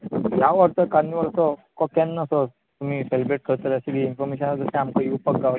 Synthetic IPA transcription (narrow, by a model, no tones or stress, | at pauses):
jaʋəɾt̪əkaɾniʋəlsɔkɔkɛnːəso | t̪um̤iːselbɾeʈ̚kʰəɾt̪əɾəsiɡiinfɔɾmeɕənad͡zəsẽamkəjupəkɡaʋ